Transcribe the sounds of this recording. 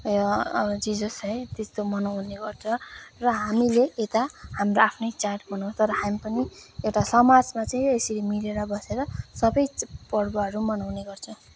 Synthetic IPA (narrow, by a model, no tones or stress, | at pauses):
jʌd͡zid͡zʌsʌjt̪est̪omʌnawneɡʌrt͡sʰʌ̃rʌɦamileʔet̪ahamroapʰnʌjt͡saʈbʌnãw̃st̪ʌɾʌɦamipʌniewʈasʌmad͡zmat͡saĩesʌɾimileɾʌbʌseɾʌsʌbʌjpʌɽbʌɦʌɾumʌnawneɡʌrt͡sʰʌ